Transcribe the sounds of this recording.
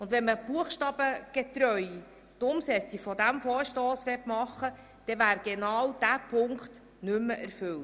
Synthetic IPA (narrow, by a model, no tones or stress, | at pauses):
ʊndʋɛnməb̥uəχʃtɑːb̥əɡ̥ɛt̪ɾœj | t̪ʊmsɛt͡siɡfɔdæmfɔːɾʃtoːsʋɛtmɑχːə | d̥ɛʋæːɾɡ̥enɑːwd̥æpʰʊŋkt | nɵmːəʔæɾfɵlt